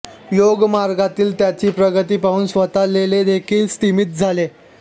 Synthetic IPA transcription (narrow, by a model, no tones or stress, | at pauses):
joɡmaɾɡat̪iːlt̪jat͡ɕiːpɾəɡət̪iːpaʋuːnsʋət̪aleled̪ekʰiːlsʈ̪imit̪̚d͡zʱale